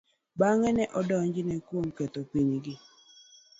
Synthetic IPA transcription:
baŋɛnɛʔɔdɔɲd͡ʒɪnɛkwomkɛt̪opiɲɡɪ

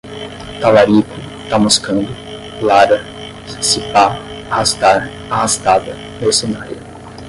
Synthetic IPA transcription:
t̪alaɾit̪ʊ | t̪amoskɐ̃nd̪ʊ | laɾɐ | sipa | ahast̪aɾ | ahast̪ad̪ɐ | nesenaɾjʊ

